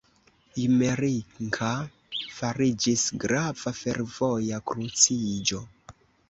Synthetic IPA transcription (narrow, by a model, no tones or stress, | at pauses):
imeɾiŋkʰa | faɾid͡ʒisɡɾavafe̞ɾvo̞jakɾut͡sid͡ʒo̞